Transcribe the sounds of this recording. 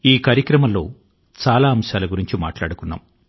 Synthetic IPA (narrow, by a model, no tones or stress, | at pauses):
iːkaːɾjɐkɾɐmɐlːo̞̰ː | t͡ʃaːlaːɐmʃaːlɐɡuɾiɲt͡ʃima̰ːʈla̰ːɽukunːa̰ːm